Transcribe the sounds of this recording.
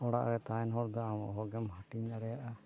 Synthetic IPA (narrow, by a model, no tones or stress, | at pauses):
ɔɽa̰ʔɾɛt̪aɛnɦɔɾd̪ɔamɔ̰ʔɦɔɡɛmhaʈiɲd̪aɽɛjaʔa